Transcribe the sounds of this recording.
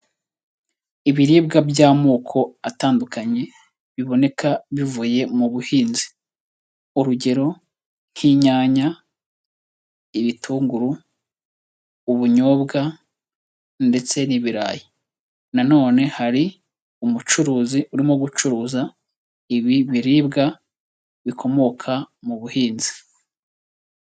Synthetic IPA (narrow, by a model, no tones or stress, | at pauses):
iβiɾiːbɡabjaːmuːkʰo̞ataːndukaɲe̞ | βiβo̞ne̞kʰaβivuːje̞muβuhiːnzi | uɾuɟe̞ɾo̞ | n̥hiːɲaːɲa | iβitʰuːŋɡuɾu | βuɲo̞ːbɡa | nde̞t͡se̞niβiɾa̰ːji | nano̞ːne̞haɾi | umut͡ʃuɾuːziuɾimo̞ɡut͡ʃuɾuːza | iβiβiɾiːbɡa | βikʰo̞mo̞kʰamuβuhiːnzi̥